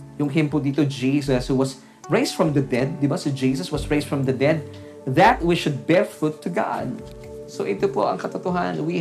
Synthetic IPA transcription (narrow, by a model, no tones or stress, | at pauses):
jʊŋɦɪ̃mpʊd̪iːt̪od͡ʒiːs̬ɐshuwɐs | ɹejsfɹɐ̃mðɐd̪ɛd̪̚ːɪbasid͡ʒisɐswɐsɹejsd̪fɹɐ̃mðɐd̪ɛd̪̚ | ðɐt̪̚wɪʃʊd̪̚bɛɹfɹut̪ʰːʊɡa̰d̪̚ | soʔɪt̪opo̰ʔɐŋkɐt̪ot̪ʊɦannwi